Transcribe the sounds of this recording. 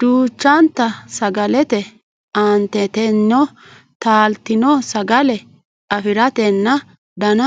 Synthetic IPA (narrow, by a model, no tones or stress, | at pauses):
d̪uːt͡ʃːɐnt̪ːɐsɐɡɐlɛt̪ɛ | ɐnt̪ɛt̪ɛnːɔ | t̪aːlt̪ɪnɔsɐɡɐlɛ | ɐfɪɾɐt̪ɛnːɐ | d̪ɐnɐ